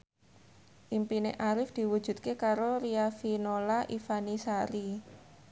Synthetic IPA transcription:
ʔimpinḛʔaɾɪfd̪̥i̤wud̥ʒ̥ṳt̪̚kekaɾoɾiafinolaʔifanisaɾi

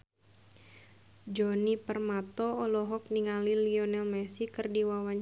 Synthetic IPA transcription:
d͡ʒɔnipərmat̪ɔːlɔɦɔk̚niŋaliliɔnɛlmɛsikɨrdiwawaɲ

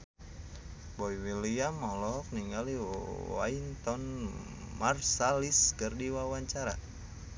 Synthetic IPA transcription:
bɔiwiliamːɔlɔɔk̚niŋɡaliwa̰int̪ɔn | marsaliskɨrdiwawaɲt͡ʃaɾa̰

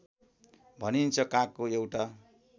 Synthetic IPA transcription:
bʱʌnint͡sʰʌkãkːoewʈa

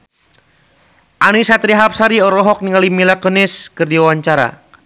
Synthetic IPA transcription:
ʔanisat̪ɾiɦap̚saɾiɔɾɔɦɔk̚niŋalimilakɔnɪskɨrdiwawaɲt͡ʃaɾa̰

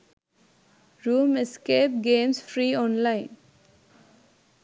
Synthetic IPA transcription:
ɾuːmeskeːp̚ɡẽːmsfɾiːɔ̃ːnlaɪ̃n

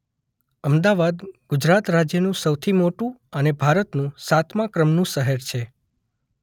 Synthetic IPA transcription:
əmd̪aʋad̪ɡ̥ʊd͡ʒɾat̪ɾad͡ʒjənũsəwt̪ʰimoʈũənebʱaɾət̪nũsat̪ʰmakɾəmnũsəɦeɾt͡ʃʰe

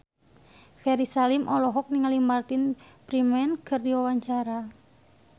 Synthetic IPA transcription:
fɛɾisalimʔɔlɔɦɔk̚niŋalimbart̪ɪnpɾimɛnkərdiwawaɲt͡ʃaɾa

